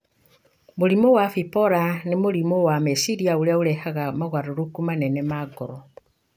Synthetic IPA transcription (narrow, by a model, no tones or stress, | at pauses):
moɾimowafipɔɾanemoɾimowamesiɾiaoɾeaoɾɛhaɣamaɣwaɾoɾokumanɛnɛmaɡɔɾɔ